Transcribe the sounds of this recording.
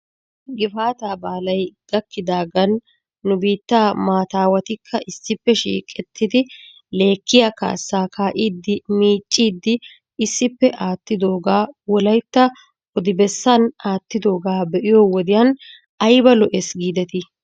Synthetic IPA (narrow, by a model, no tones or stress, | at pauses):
ɡɪfaːt̪aːbaːlɐjɡ̥ɐkːɪd̪aːɡɐnː | ʊbiːt̪ːaːmaːt̪aːwɐt̪ɪkʰːɐʔɪsːɪpːɛʃḭːkʼːɛt̪ːɪd̪ɪ | le̞ːkːɪjaka̰ːsːaːkʰaːʔiːd̪ːɪmiːt͡ʃʼːiːd̪ːɪ | ɪsːɪpːɛʔaːt̪ːɪd̪o̞ːɡaːwɔlɐjt̪ːɐ | ɔd̪ɪbɛsːɐnaːt̪ːɪd̪o̞ːɡaːbɛʔɪjoːwɔd̪ɪjɐn | ɐjbɐlɔʔɛsɡiːd̪ɛt̪ɪ